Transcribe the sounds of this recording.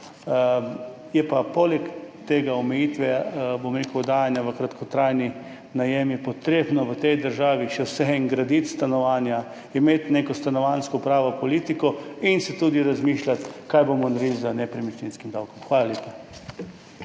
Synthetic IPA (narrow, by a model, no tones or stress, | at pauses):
jɛpapolɛkt̪eːɡaɔmɛjit̪ʋɛbomɾeːkəʊɔd̪aːjanjaʋəkɾat̪kʰɔt̪ɾajni | najɛmipɔt̪ɾeːbnɔʋət̪ɛjd̪əɾʒaːʋiʃɛwsɛɛŋɡɾad̪it̪st̪anɔʋaːnja | imeːt̪neːkɔst̪anɔʋanskɔpɾaːʋɔpɔliːt̪ikɔinsɛt̪ud̪iɾazmiːʃlʲat̪kajbomɔnaɾidzənɛpɾimit͡ʃninskimd̪awkɔmxʋaːlaljeːpa